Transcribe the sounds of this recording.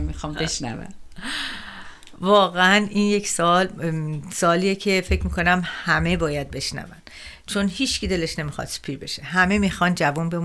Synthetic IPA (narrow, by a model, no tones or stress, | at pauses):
mixɒːmbeʃnæ̰væ̰n | vɒːɣeæninje̞cʰsɒlsɒːlijecʰe̞fe̞cʰmiːkʰo̞næmhæme̞bɒːjæd̪̚be̞ʃnæ̰væn | t͡ʃʰo̞nhiːt͡ʃcid̪eleʃne̞mixɒ̰d̪̥se̥pʰiːɾbe̞ʃe̞ɦæme̞mixɒːnd͡ʒævunbe̞m